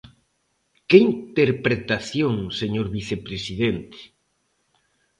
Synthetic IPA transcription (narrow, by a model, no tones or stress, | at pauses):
kɪint̪eɾpɾet̪aθjoŋseɲoɾβiθepɾesiðent̪e̥